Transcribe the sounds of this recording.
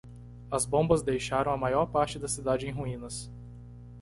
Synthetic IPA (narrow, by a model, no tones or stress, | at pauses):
ɐzbõmbɐzd̪ejʃaɾɐ̃w̃ɐmajɔɾpaɾt͡ʃɪd̪ɐsid̪ad͡ʒɪẽj̃ɦuĩnɐs